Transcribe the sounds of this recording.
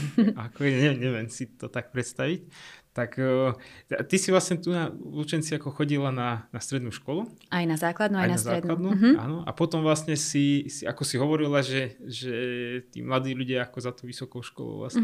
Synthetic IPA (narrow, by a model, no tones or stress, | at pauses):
akɔɛɛɲɛʋɪɛmsit̪ɔt̪ak̚pɾɛt̪st̪aʋict̪akː | at̪isiʋlasɲɛt̪unalut͡ʃɛnt͡siakɔxɔɟilananast̪ɾɛd̪nuːʃkɔluajnazaːklad̪nuːajnaaszaɾːɛd̪lad̪nuɦa̰ːnɔʔa̰pɔt̪ɔmʋlasɲɛsisia̰kɔsiɦɔʋɔɾilaʒɛʒɛt̪ḭːmlad̪iːʎuɟɪaakɔzat̪oʊʋisɔkɔʊʃkɔ̰lɔ̰ʊla̰sɲ